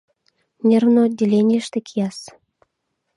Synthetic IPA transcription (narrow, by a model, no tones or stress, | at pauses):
nʲernod̪ʲelʲenʲijəʃt̪ĕkʰijɑs